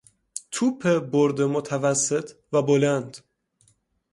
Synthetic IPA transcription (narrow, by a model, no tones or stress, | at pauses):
t̪ʰuːpʰeboɾd̪emot̪ʰævæsːet̪ʰvæbolænd̪̥